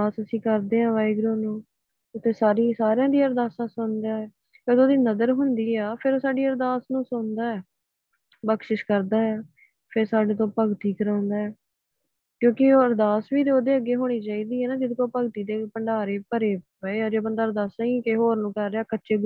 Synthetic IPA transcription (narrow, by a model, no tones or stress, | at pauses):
aːsəsĩːkəɾd̪eːɦãːʋaːɪɡɾoːnũː | ʊt̪ʰːeːsaːɾiːsaːɾejãːd̪iːəɾd̪aːsãːsʊnd̪aːɛː | kod̪oːd̪iːnəd̪əɾɦʊnd̪iːaːpʰɪɾoːsaːɖiːəɾd̪aːsnũːsʊnd̪aːɛː | bəkʃɪʃkəɾd̪aːɛː | pʰɪɾsaːɖeːt̪̬õːpəɡt̪iːkəɾãːʊnd̪aːɛː | kjõːkɪːəɾd̪aːsʋiːt̪eoːd̪eːəɡːeːɦoːɽ̃iːt͡ʃaːiːd̪iːɦɛːnaːd͡ʒɪd̪koːpəɡt̪iːd̪eːpəɳɖaːɾeːpəɾeː | eːaːd͡ʒeːbənd̪aːəɾd̪aːsãːikeɦoːɾnũːkəɾːeːaːkətːʃeː